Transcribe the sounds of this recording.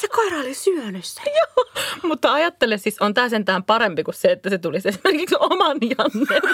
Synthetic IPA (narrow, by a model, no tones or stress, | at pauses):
sekoirɑolisyønysːæ̥joːmut̪ːɑɑjɑt̪ːelessisont̪æːsent̪æːmpɑɾempikusseet̪ːæset̪ulisesimerkiksomɑnjɑnːe